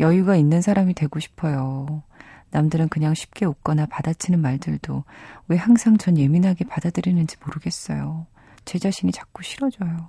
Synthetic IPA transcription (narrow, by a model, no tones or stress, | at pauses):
jʌjuɡainːɯnsʰaɾamitwe̞ɡoɕʰi̥pʰʌjo | namdɯɾɯnkɯɲaŋɕʰi̥p̚k͈e̞uk͈ʌnapadat͡ɕʰinɯnmaɭdɯɭdowe̞haŋsʰaŋt͡ɕʌnje̞minɦaɡepadadɯɾinɯnd͡ʑimoɾɯɡe̞s͈ʌ̰jo | t͡ɕe̞d͡ʑaɕʰinit͡ɕḁk̚k͈uɕʰiɾʌd͡ʑʌjo